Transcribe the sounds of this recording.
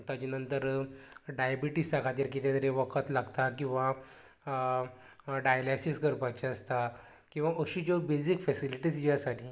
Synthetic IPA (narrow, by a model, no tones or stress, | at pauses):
t̪əd͡ʑinənt̪əɾɖajabiʈist̪akʰat̪iɾk̬it̪jat̪əɾeʋəkʰət̪laɡt̪akĩw̃ʋa | ɖajəlɛsiskəɾpat͡ɕeəst̪a | kĩw̃ʋaʔəɕid͡ʑobed͡zikfɛsiliʈiːsjjasaʈʰiː